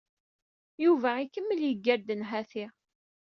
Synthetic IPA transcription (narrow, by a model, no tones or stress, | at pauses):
juvæikːəmːəljəɡːæɾd̪ənɦæθɪ